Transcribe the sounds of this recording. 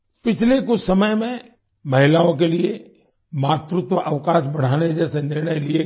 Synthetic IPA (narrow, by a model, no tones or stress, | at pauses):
pɪt͡ʃʰlekʊt͡ʃʰsɐməjmẽ | mɐɦɪlaːõk̬elie | maːt̪ɾʊt̪wəʔɐʋkaːʃbɐɽ̤aːned͡ʒɛːsenɪɾɽ̃əjlie